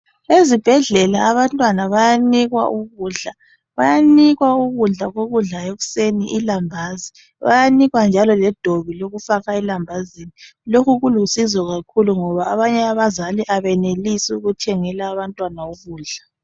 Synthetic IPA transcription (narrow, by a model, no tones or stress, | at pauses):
ezib̥ʱɛɮɛlaːβantʼwanaβajaniɣwa̰ʔuɣuːɮa | βajaniɣwauɣuɮaɣoɣuɮaeɣuseniʔilambʱaːzi | βa̰janiɣwand͡ʒʱalɔlɛd̥ʱoβiloɣufaɣailambʱazinilokʰuɣulusizɔɣakʰuluŋɔβaːβaɲɛaβazaliʔaβɛnelisiuɣutʰɛŋɛlaːβantʼwanauɣuːɮa